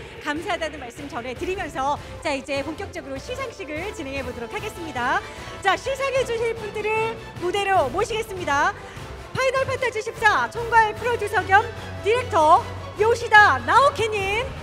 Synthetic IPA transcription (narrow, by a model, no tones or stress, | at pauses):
kamsʰaɦadanɯnmaɭs͈ɯmt͡ɕʌne̞tɯɾimjʌnsʰʌ | t͡ɕaid͡ʑe̞poŋk͈jʌk̚t͡ɕ͈ʌɡɯɾoɕʰisʰaŋɕ͈iɡɯɭt͡ɕine̞ŋɦe̞bodoɾokʰaɡe̞s͈ɯmɲida | t͡ɕaɕʰisʰaŋɦed͡ʑunɕʰip͈ʰundɯɾɯɭ | mude̞ɾomoɕʰiɡe̞s͈ɯmɲida | pʰainʌɭpʰatʰat͡ɕʰɯɕʰip̚s͈at͡ɕʰoŋɡwaepʰɯɾodjosʰʌɡjʌm | diɾe̞k̚tʰʌ | joɕʰidanaokʰeɲim